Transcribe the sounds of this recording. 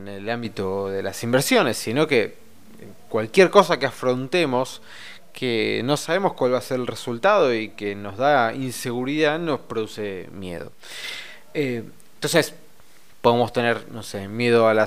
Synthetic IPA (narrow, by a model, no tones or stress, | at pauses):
nelambit̪o̞ðelasimbeɾsjo̞nesːinoke | e | kwalkjeɾko̞s̬akeafɾo̞nt̪emo̞s | kʰeno̞saβemo̞skwalβaseɾelresult̪að̞o̞ikeno̞zðainse̞ɣuɾiðano̞spɾoðusemjḛð̞o̰ | e | ent̪onses | po̞ðemo̞st̪e̞neɾnosemje̞ð̞oala